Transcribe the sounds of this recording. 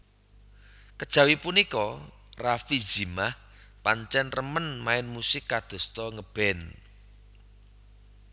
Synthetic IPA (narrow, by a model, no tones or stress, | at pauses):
kəd̥ʒ̥ä̤wipunikɔ | rafi̥d͡ʒ̥imah | paɲt͡ʃɛnrəmənmaɪnmusɪkːad̪̥o̤st̪ɔŋəb̥ɛ̤n